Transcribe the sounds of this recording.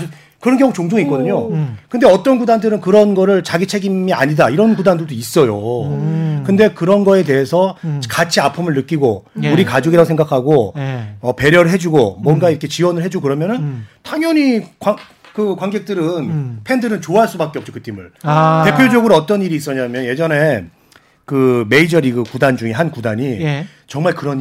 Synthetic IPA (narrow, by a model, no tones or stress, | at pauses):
kɯɾʌnɡjʌŋut͡ɕoŋd͡ʑoŋik͈ʌdɯɲokɯndeʌt͈ʌnɡudandɯɾɯnkɯɾʌnɡʌɾɯɭt͡ɕaɡit͡ɕʰeɡimia̰ɲidaiɾʌnɡudandodois͈ʌjo̰ | kɯnde̞kɯɾʌnɡʌe̞te̞ɦesʰʌkat͡ɕʰiapʰɯmɯɭnɯk͈iɡouɾikad͡ʑuɡiɾaɡosʰeŋɡakʰaɡoʌpe̞ɾjʌɾɯɭɦe̞d͡ʑuɡomwʌnɡaiɾʌkʰe̞t͡ɕiwʌnɯɭɦe̞d͡ʑukɯɾʌmjʌnɯntʰaŋjʌɲikwa | kɯkwanɡe̞k̚t͈ɯɾɯnpʰe̞ndɯɾɯnt͡ɕoaɦaɭs͈ubak͈eʌpt͡ɕ͈o̥kɯtʰimuɭe̞pʰjod͡ʑʌɡɯɾoʌt͈ʌniɾiːs͈ʌɲamjʌnje̞d͡ʑʌne̞ | kɯme̞id͡ʑʌɾiɡɯkudand͡ʑuŋeɦankudaɲi | t͡ɕʌŋmaɭkɯɾʌɲ